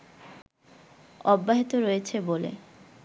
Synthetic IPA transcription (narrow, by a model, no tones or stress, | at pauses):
ɔbːaɦit̪oɾojet͡ɕʰebolḛ